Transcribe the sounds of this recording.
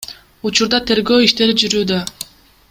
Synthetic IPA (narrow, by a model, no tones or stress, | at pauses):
ut͡ʃuɾd̪ɑt̪ʰe̞ɾɡø̞ːiʃt̪e̞ɾid͡ʒyɾyːd̪ø